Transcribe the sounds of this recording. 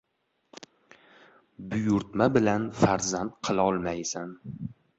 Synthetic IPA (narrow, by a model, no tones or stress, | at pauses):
bʊjʊɾt̪mabɪlanfaɾzant̪qʰɨlˠaɒlˠmajsan